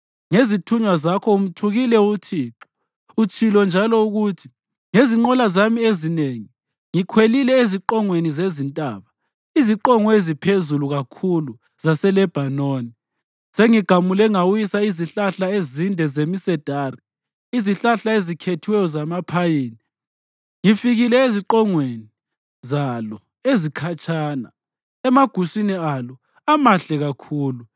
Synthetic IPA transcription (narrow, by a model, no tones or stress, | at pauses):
ŋezitʰuɲwazakʰɔum̩tʰuɣilɛutʰiːǁɔ̥ | ut͡ʃʰʼilɔnd͡ʒʱalɔuɣutʰi̥ | ŋeziŋ͡ǃɔlazamiezineŋi | ŋikʰwelilɛeziǃɔŋwenizezintʼa̰ːβa | iziǃɔŋɔezipʰezuluɣakʰulu | z̥asɛlɛb̥ʱanoːni | seŋiɡ̥ʱamulɛŋawjisaiziɬaɬaezindʱɛzemisɛd̥ʱaːri | iziɬaɬaezikʰetʰiwɛjɔzamapʰajiːni | ŋifiɣilɛiziǃɔŋweni | zalɔ | ezikʰat͡ʃʼʰaːna̰ | ɛmaɡ̥ʱusinialɔ | amaɬɛɣakʰuːlu